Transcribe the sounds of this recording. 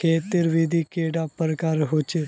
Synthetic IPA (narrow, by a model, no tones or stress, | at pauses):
kʰeːt̪ɪɾʋid̪ʱiːkeːɖaːpəɾəkaːɾɦot͡ʃe